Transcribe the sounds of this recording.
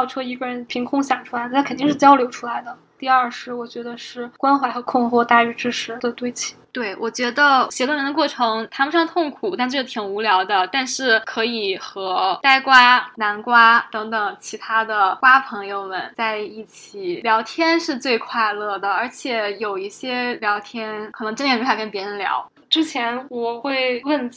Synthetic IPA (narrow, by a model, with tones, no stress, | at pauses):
ɑ˥˩ʊʈ͡ʂʰɔ˥˩i˧˥ɡə˧˩ɻə˧˥npʰi˧˥ŋkʰʊ˥ŋɕjɑ˨˩ŋʈ͡ʂʰu˥la˧˥ɪd̪ə˧a˥kʰə˨˩nt̪i˥˧ŋʂɻ̩˥˩t͡ɕjɑ˥ʊljo˧˥ʊʈ͡ʂʰu˥la˧˥ɪd̪ə˨ | t̪i˥˧ɐ˥˩ʂɻ̩˥˩wɔ˨˩t͡ɕɥɛ˧˥d̪ə˧ʂɻ̩˥˩kwa˥nxwa˧˥ɪxɤ˧˥kʰʊ˥˧ŋxɔ˥˧t̪a˥˩y˧˥ʈ͡ʂɻ̩˥ʂɻ̩˧˥d̪ə˧t̪we˥˩ɪt͡ɕʰi̥˥t̪we˥˩ɪwʔɔ˨˩t͡ɕɥɛ˧˥d̪ə˧ɕjɛ˧˥t̪wnə˧˥nə˧kwɔ˥˩ʈ͡ʂʰɤ˧˥ŋt̪ʰa˥mə˧ʂɑ˥˧ŋt̪ʰʊ˥˩ŋkʰu˨˩t̪a˥˧nʈ͡ʂ̩˥˩ʂt̪ʰi˨˩ŋu˧˥ljɑ˧˥ʊd̪ə˧t̪a˥˧nʂɻ̩˥˩kʰɤ˧˥i˨˩xɤ˧˥t̪a˥˩ɪkwa˥na˧˥nkwa˥t̪ɤ˧˥ŋt̪ɤ˨˩ŋt͡ɕʰi˧˥t̪ʰa˥d̪ə˨kwa˥pʰɤ˧˥ŋjo˧ʊmə˨˩nt͡sa˥˧ɪi˥˩t͡ɕʰi˨˩ljɑ˧˥ʊt̪ʰjɛ˥nʂɻ̩˥˧t͡swe˥˧ɪkʰwa˥˧ɪlɤ˥˩d̪ə˩ə˞˧˥t͡ɕʰjɛ˨˩jo˨˩ʊi˥˩ɕjɛ˥ljɑ˧˥ʊt̪ʰjɛ˥nkʰɤ˨˩nɤ˧˥ŋʈ͡ʂə˥njɛ˥˩nmy˧˥a˥kə˥npjɛ˧˥ɻə˧˥nljɑ̰˧˥ʊ | ʈ͡ʂɻ̩˥t͡ɕʰjɛ˧˥nwɔ˨˩xwe˥˧ɪwə˥˩n